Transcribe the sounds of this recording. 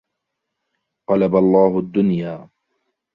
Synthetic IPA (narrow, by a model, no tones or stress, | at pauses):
qɑlabalˤːɑːhʊd̪ːʊnjaː